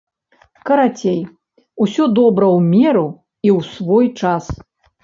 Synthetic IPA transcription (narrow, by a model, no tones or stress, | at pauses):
kɐɾat͡sʲej | usʲɔd̪ɔbɾɐwmʲɛɾu | iwsvɔjt͡ʂas